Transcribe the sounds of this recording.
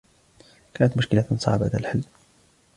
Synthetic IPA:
kæːnət̪mʊʃkəlansˤɑ̰ʕbaʔad̪alħəlː

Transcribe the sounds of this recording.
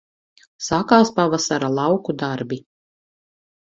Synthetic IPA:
sakaːspavasaɾalˠɑwkud̪aɾbi

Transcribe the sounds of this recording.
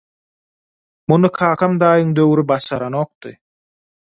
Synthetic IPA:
munɯkʰɑːqʰɑmd̪ɑːjɯŋd̪øwɾibɑʃɑɾɑnoːq̚t̪ɯ̰

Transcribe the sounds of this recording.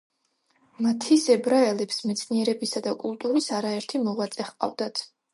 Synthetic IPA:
mat̪ʰisɛbɾaɛlɛpsmɛt̪sʰniɛɾɛbisad̪akʼulˠt̪ʼuɾisaɾaɛɾt̪ʰimɔʁat̪sʼɛχqʼa̰vd̪at̪ʰ

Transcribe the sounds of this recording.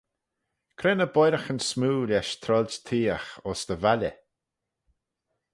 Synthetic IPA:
kʰɾɛnəbɔjɾəxənsmuːlʲɛʃt̪ʰɾɔlʲd͡ʒt̪ʰiːəxɔsd̪̥əvalʲə̰

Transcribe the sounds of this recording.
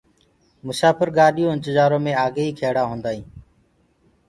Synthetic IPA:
mʊsaːpəɾɡaːɗijõːɪnt̪ɪd͡ʒaːɾõːmẽːaːɡeːiːkʰeːɽaːɦõːnd̪aːɦĩː

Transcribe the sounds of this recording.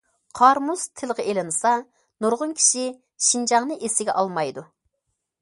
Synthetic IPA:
qʰɑɾmuz̥t̪ʰɪlˠʁɛʔelɪnɨsɑ | nuɾʁʊnkʲʰi̥ʃi | ʃind͡ʒɑŋnɨʔesɪɡʲɛ̰ʔɑlˠmɑjd̪u

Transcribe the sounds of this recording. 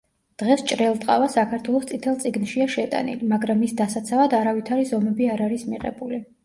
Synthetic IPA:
d̪̥ʁɛst͡ʃʼɾɛlˠt̪ʼqʼa̰vasakʰaɾt̪ʰwɛlˠɔst̪sʼʰit̪ʰɛlˠt̪sʼiɡnʃiaʃɛt̪ʼa̰nḭlimaɡɾamisd̪asat̪sʰavad̪aɾavit̪ʰaɾizɔmɛbiaɾaɾismiʁɛ̰buli

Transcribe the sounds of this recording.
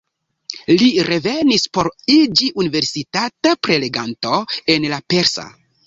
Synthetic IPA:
liɾe̞ve̞nispo̞ɾid͡ʒiʔunive̞ɾsitatapɾe̞le̞ɡanto̞e̞nlape̞ɾsa̰

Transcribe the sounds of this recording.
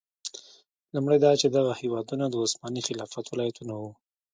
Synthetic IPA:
lumɽajd̪ɑt͡ʃed̪aɣahewɑd̪unad̪əʊsmɑnixɪlɑfat̪wɪlɑjat̪unawu

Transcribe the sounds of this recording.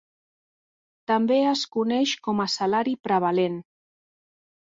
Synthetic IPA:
t̪ambeəskunɛʃkɔməsalaɾipɾəβ̞alen

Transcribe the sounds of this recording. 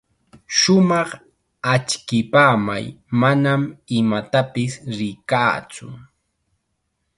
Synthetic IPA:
ʃʊmɑχ | at͡ʃkɪpaːma̰j | manamɪmat̪apɪsɾɪkaːt͡sʊ̰

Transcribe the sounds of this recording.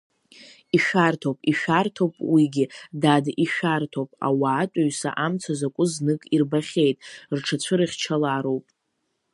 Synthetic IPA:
iʃartʰowpʼiʃartʰowpʼwiɡʲɪdadiʃartʰowpʼa̰waːtʷʼaɥsa̰ʔamt͡sʰazakʷʼʊznɨkʼirbaχʲe̞jtʼrʈ͡ʂʰat͡ɕʷʰɨɾɨχʲt͡ʃʰalaɾowpʼ

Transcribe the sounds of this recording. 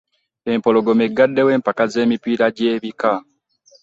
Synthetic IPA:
e̞mpo̞loɡo̞meɡːadːe̞we̞ːmpakaze̞ːmipiːɾaɟe̞ːβika

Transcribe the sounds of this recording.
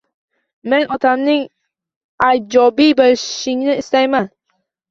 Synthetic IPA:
menɒt̪ʰamnɪŋ | ajd͡ʒɒbijbɪlʃɪŋnɪɪst̪ajman

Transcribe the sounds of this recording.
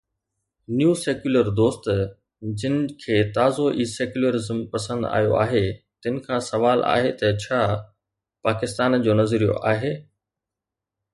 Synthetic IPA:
njuːseːkjuləɾd̪oːst̪ | d͡ʑɪnɪ̆kʰeːt̪aːzoʔiːseːkjʊləɾɪzəmpɐsə̃nd̪a̰ːjo̰a̰ːɦet̪ɪnɪ̆kʰãːsɐʋaːlʔa̰ːɦet̪ɐt͡ɕʰaː | paːkɪst̪aːnd͡ʑoːnɐzɾijo̰ʔaːɦeː

